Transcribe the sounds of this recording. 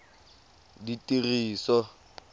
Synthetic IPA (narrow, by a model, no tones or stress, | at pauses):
ditʼiriːsɔ